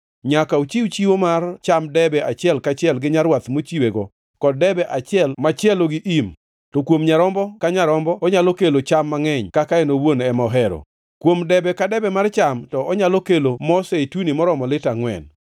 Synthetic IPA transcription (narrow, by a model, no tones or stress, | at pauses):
ɲakaut͡ʃiut͡ʃiwomart͡ʃamdɛbɛat͡ʃɪɛlkat͡ʃɪɛlɡɪɲaɾwat̪mot͡ʃiweɡɔ | kɔd̚dɛbɛʔat͡ʃɪɛlmat͡ʃɪɛloɡɪʔim | tokwomɲaɾɔmbɔkaɲaɾɔmbɔɔɲalokelot͡ʃamːaŋɛɲkakaɛnowonɛmɔɦɛɾo̰ | kwomdɛbɛkadɛbɛmart͡ʃamtɔʔɔɲalokelomɔsɛtunimɔɾɔmɔlɪtaŋwɛ̰n